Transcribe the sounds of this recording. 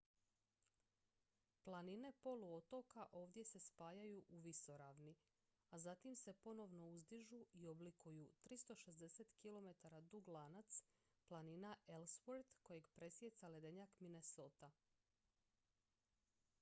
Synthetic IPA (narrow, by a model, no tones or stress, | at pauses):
plˠanine̞po̞luo̞t̪o̞kaʔo̞ːʋd̪je̞se̞spaːjajuʔuʋiso̞ɾaːʋni | azat̪imse̞po̞no̞ʋno̞uzd̪iʒuio̞blikʰujut̪ɾist̪o̞ʃe̞zd̪e̞se̞t̪kilo̞me̞t̪aɾad̪uɡlˠanat̪s | plˠaninaʔelspoɾd̪ko̞je̞ɡpɾe̞sje̞t̪sale̞d̪e̞ɲakmine̞soːt̪a